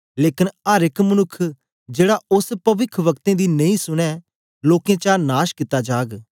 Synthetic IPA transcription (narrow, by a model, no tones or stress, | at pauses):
leːkɪnəɾɪkmənʊkʰː | d͡ʒeːɽaʔʊspɐʋɪkʰʋɐkt̪ẽːd̪iːnɐ̃ĩsʊɽ̃ɛː | loːkẽːt͡ʃanaːʃkɪt̪ːad͡ʒaːɡ